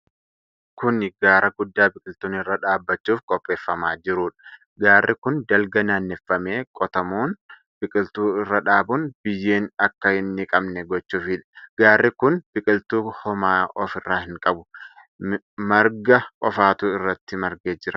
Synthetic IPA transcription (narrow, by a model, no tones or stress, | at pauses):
kʊnɪɡaːɾɐɡʊd̪ːaːbɪkʼɪlt̪uːnɪrːaːᶑaːbːɐt͡ʃːuːfkʼɔpʼːe̞ːfːɐmaːd͡ʒɪɾuːᶑɐ̥ | ɡaːrːʔɪkʊnd̪ɐlɡɐnaːnːɛfːɐme̞ːkʼɔt̪ɐmoːn | b̥ɪkʼɪlt̪uːɪrːɐᶑaːbʊnb̥ɪjːe̞ːnɐkːɐhɪnːɪkʼɐbnɛɡɔt͡ʃːuːfɪᶑɡ̥aːrːɪkʊnb̥ɪkʼɪlt̪uːhɔmaːɔfɪrːaːhɪŋkʼɐbʊ | mɐɾɡɐkʼɔfaːt̪uːɪrːɐt̪ːɪmɐɾɡeːd͡ʒɪɾɐ